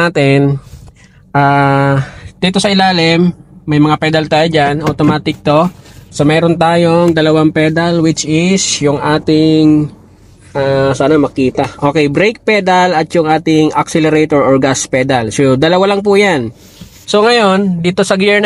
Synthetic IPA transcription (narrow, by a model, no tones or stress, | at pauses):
aːt̪ɪn | ʔaː | d̪̥iːt̪osɐɪlaːlɪmːɐjmɐŋapɛd̪ɐlt̪aːjod͡ʒanʔɐt̪omaːt̪ɪk̚t̪o̞somɛːɾont̪aːjoŋd̪ɐlɐwaŋpɛːd̪ɐlwɪt͡ʃɪsjʊŋʔaːt̪ɪŋ | ʔaːsaːnɐmɐkiːt̪ɐʔokɛjbɾejk̚pɛːd̪ɐlɐt̪jʊŋʔaːt̪ɪŋʔɐksɛlɛɾet̪oɹoɹɡaspɛːd̪ɐlsod̪ɐlɐwalɐŋp̬ujan | soŋɐjo̞nd̪iːt̪o̞sɐɡɛɹn